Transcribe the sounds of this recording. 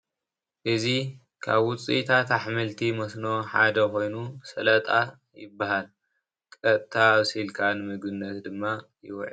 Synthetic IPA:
ʔɨzi | kʰa̰βwʊt͡sʼit̪ʰat̪aħmɨlt̪ʰimɐsnoħa̰d̪ɐko̞jnusɐlɐt̪ʼa | jɪbːahal | kʼɐt̪ʼt̪ʰaːβsilkʰanɨmɨɡɨnːɐt̪d̪ɨmːa | jɪ̰wɔʕ̰

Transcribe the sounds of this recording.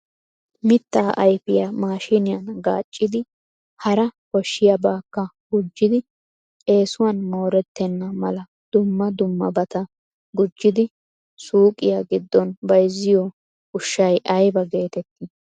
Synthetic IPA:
mɪt̪ːaːʔɐjfɪjɐmaːʃɪnɪjɐnɡa̰ːt͡ʃʼːɪd̪ɪ | hɐɾɐkɔʃːɪjɐbaːkːɐ | ɡʊd͡ʒːɪd̪ɪ | e̞ːsʊwanmo̞ːɾɛt̪ːɛnːɐmɐlɐ | d̪̥ʊmːɐd̪ʊmːɐbɐt̪ɐ | ɡʊd͡ʒːɪd̪ɪ | suːkʼɪjaɡɪd̪ːɔnbɐjzːɪjɔ | ʊʃːɐjʔɐjbɐɡe̞ːt̪ɛt̪ːɪ

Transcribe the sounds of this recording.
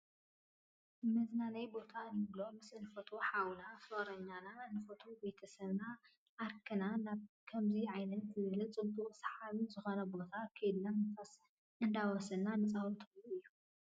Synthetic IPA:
mɐznanɐjbo̞t̪ʰanɨβlo̞mɨsnɨfot̪ʰo̞ħawunafoɾɐɲːananɨfot̪ʰobe̞t̪ʰɐsɐβna | ʔaɾkʰɨnanaβkʰɐmziʕajnɐnk̪ʰɨβɨlɨt͡sʼɨbt̪ʼuʔʼsḁħaβizɨxonɐbo̞t̪ʰakʰed̪nanɨfas | ʔɨnd̪awɐsɐlnanɨt͡sʼawut̪ʰɐlːuijːu

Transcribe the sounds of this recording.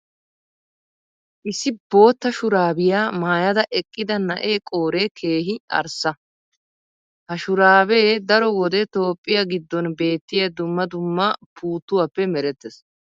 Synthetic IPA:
ʔɪsɪbo̞ːt̪ːɐʃʊɾaːbɪjaːmaːjɐd̪ɐʔɛkʼːɪd̪ɐnɐʔeːkʼo̞ːɾeːkʰe̞ːɦɪɐ̰ɾsɐ | hɐʃʊɾaːbeːd̪ɐɾɔwɔd̪ɛt̪o̞ːpʼːɪjɐɡɪd̪ːɔnbe̞ːt̪ːɪjɐd̪ʊmːɐd̪ʊmːɐpʰuːt̪ːʊwapːɛmɛɾɛt̪ːɛs

